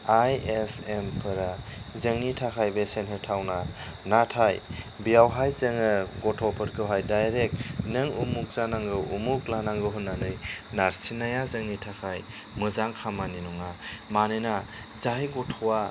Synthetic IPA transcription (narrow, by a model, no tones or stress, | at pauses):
ajesempʰɯɾazəŋnitʰakʰajbesenɦep̚tʰawnanatʰaj | bijawɦajzɯŋɯɡɔtʰɔpʰɯɾkʰɯwɦajdajɾek̚nɯŋumuk̚zanaŋɡɯʔumuk̚lanaŋɡɯɦunːanɯjnaɾsinajazɯŋnitʰakʰaj | mɯzaŋkʰamaninuŋamanɯjna | zajɡɔtʰɔwa